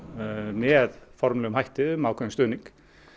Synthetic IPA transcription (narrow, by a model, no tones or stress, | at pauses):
mɛðfɔɾmlɛɣʏmhajht̪ɪʏmawkʰɛnst̪œːniŋk